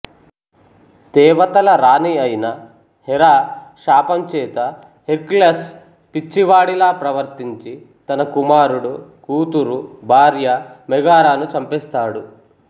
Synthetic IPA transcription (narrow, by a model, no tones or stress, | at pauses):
t̪ɛːʋɐt̪ɐlɐɾaːniɐjinɐ | hɛɾaːʃaːpɐmt͡ʃɛːt̪ɐ | heɾklɐs | pit͡ʃːiʋaːɽilaːpɾɐʋɐɾt̪iɲt͡ʃi | t̪ɐnɐkumaːɾuɽukuːt̪uɾubʱaːɾjɐmɛɡaːɾaːnut͡ʃɐmpɛst̪aːɽu